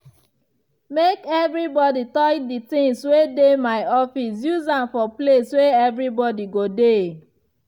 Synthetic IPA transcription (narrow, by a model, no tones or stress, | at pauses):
mekɛvɾibɔditɔjditɪ̃ŋswedemaɪɔfisjuzãmfɔplesweɛvɾibɔdiɡode